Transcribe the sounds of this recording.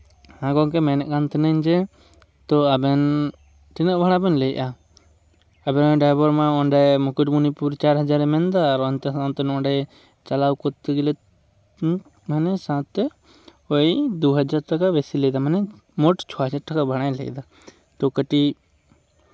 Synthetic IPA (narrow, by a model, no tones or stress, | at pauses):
hãɡɔŋkɛmɛnɛʔkant̪ʰɛnənd͡ʒɛ | t̪ɔabɛn | ʈʰinəʔbʱaɽ̃abɛnlejʔa | abɛnɔjɖajbɔɾmaɔɳɖɛmukuʈmunipuɾt͡ʃaɾɦɐd͡ʒaɾmɛnd̪aːɾɔnt̪ɛsãnt̪ɛnɔ̃ɳɖɛ | t͡ʃalawkɔt̪ːəɡilɛ | mɛnɛsãt̪ɛ | ojd̪uɦad͡ʒaɾʈakaʋesilɛd̪amɛnɛ | moʈt͡ʃʰɔɦd͡ʒaɾʈakabʱaɽ̃ajlɛ̰jd̪a | t̪ɔkəʈi